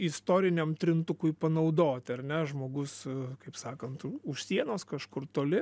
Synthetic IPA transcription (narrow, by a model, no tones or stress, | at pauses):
ɪst̪oːɾʲɪnʲɛmt̪ʲɾʲɪnt̪ʊkʊɪpɐnɐʊd̪oːt̪ʲɐrnʲɛʒmoːɡʊskɐɪpsɑːkɐnt̪ʊʃsʲiɛnoːskɐʃkʊrt̪oːlʲɪ